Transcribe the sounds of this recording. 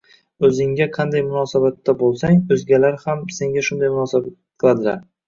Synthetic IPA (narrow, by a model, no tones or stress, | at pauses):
ɵzɪŋɡʲaqʰɑnd̪ajmʊnɒsabat̪ːabolˠsaŋɵzɡʲalaɾhamse̞ŋɡʲaʃʊnd̪ajmʊnɒsabat̪̚qʰɨlˠad̪ɪlaɾ